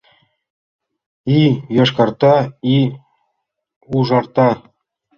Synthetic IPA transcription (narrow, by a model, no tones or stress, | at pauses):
ijɑʂkɑrt̪ɑi | uʐɑrt̪ɑ